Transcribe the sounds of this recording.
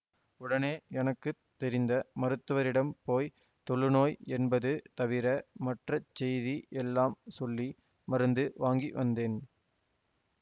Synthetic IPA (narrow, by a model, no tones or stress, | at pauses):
ʊɽɐneːɛnɐkːɯt̪ːɛɾɪnd̪ɐmɐɾɯt̪ːɯʋɐɾɪɽɐmpoːj | t̪ɔɭːɯnoːjɛnbɐðɯt̪ɐʋɪɾɐmɐʈrɐt͡ʃːɛjðiʔɛlːaːmsɔlːi | mɐɾɯnd̪ɯʋaːŋɡiʋɐnd̪eːn